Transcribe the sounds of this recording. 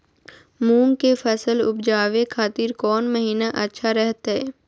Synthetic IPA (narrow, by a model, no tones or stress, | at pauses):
mũːŋkefʰɐsəlʊ̰pd͡ʒaːʋekʰaːt̪iːɾkɔːnməɦiːnaʔɐtːʃʰaɾɛɦt̪ɦɛː